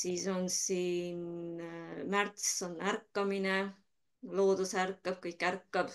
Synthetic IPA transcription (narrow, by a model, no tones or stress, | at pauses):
siːso̞nsiːn | mært̪sonːærkːɑmine | lo̞ːd̪̥usærkːɑb̥̚kɯjkːærkːɑb̥